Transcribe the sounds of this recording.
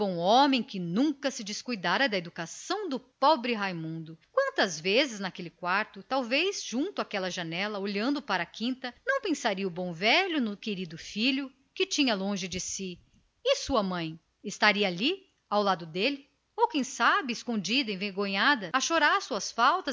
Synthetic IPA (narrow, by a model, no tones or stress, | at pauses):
bõw̃õmẽj̃kɪnũkɐsɪd͡ʒɪskujd̪aɾɐd̪ɐed̪ukasɐ̃w̃d̪ʊpɔbɾɪɦajmũnd̪ʊkwɐ̃nt̪ɐzvezɪznɐkelɪkwaɾt̪ʊt̪awvezʒ̥ũnt̪ʊakɛlɐʒanɛlɐoʎɐ̃nd̪ʊpaɾɐkĩnt̪ɐnɐ̃w̃pẽsaɾiɐubõw̃vɛʎʊnʊkeɾid̪ʊfiʎʊ | kɪt͡ʃĩɲɐlõʒɪd͡ʒɪsi | ɪsuɐmɐ̃j̃ | ɪst̪aɾiɐːli | awlad̪ʊd̪elɪ | owkẽj̃sabɪɪskõnd͡ʒid̪ɐẽveɾɡõɲad̪ɐɐʃoɾaɾsuɐsfawt̪ɐ